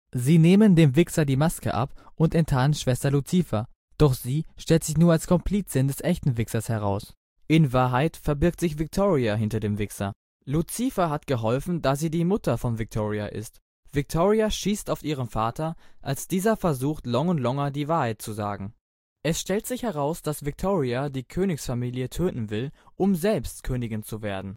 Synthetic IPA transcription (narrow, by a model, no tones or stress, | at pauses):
ziːneːməndeːmvɪksɐdiːmaskə̰ʔa̰pʔʊntɛntʰaːənʃv̥ɛstɐlut͡sifɐ | d̥ɔχz̥iːʃtɛltz̥ɪçnuːɐalskʰɔmpʰl̥iːt͡sɪndɛsʔɛçtn̩vɪksɐshɛʁ̞aʊs | ʔɪnvaːɐɦaɪtfɛɐbɪɐk̚tz̥ɪçv̥ɪk̚tʰoːʁiaɦɪntɐdeːmvɪksɐ̰ | lut͡siːfɐɦatɡ̥əɦɔlfn̩daz̥iːdiːmʊtʰɐfɔnvɪk̚tʰoːʁia̰ʔɪ̰st | v̥ɪk̚tʰoːʁiaʃiːstaʊfʔiːʁ̞əmfaːtʰɐʔalsd̥iːzɐfɛɐzuːxtlɔŋʊntlɔŋɐdiːvaːɐhaɪt̚t͡suza̰ːɡŋ̩ | ʔɛsʃtɛltz̥ɪçhɛʁaʊsd̥asv̥ɪk̚tʰoːʁiadiːkʰøːnɪçsfamiːljətʰøːtn̩vɪlʔʊmzɛlpstkʰøːnɪɡɪnt͡suveːɐdn̩